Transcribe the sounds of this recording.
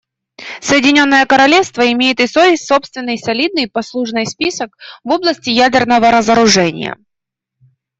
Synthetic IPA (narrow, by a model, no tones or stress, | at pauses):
səjɪdʲɪnʲo̞nːəjəkəɾɐlʲe̞fst̪vəɪmʲejɪt̪ɨsovʲɪsʲtʲso̞pst̪vʲɪnːɨjsɐlʲid̪̚nɨjpɐslˠuʐnɨjspʲisəkvo̞blˠəsʲtʲɪjædʲɪrnəvəɾəzəɾʊʐɛnʲɪ̰jə̰